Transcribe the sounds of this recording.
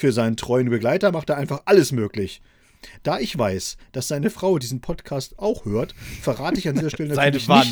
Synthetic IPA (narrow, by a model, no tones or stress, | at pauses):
fyːɐzaɪnəntʁ̥ɔʏənbəɡlaɪtɐmaχteːɐaɪnfaχʔaləsmøːklɪç | d̥aːʔɪçv̥aɪsd̥asz̥aɪnəfʁ̥aʊdiːzn̩pʰɔtkʰaːstʔaʊxhøːɐtfɛɐʁaːtəɪçandiːzɐʃtɛlənalɪa